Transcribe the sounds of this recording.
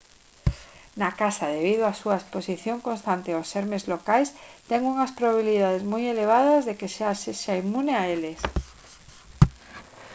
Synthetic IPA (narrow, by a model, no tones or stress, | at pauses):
nakasaðeβið̞oasuaesposiθjoŋkonst̪ant̪eoseɾmezlokajst̪ɛŋuŋɐspɾoβaβiliðað̞ezmojeleβ̞aðɐzðekesaseʃaimuneaeles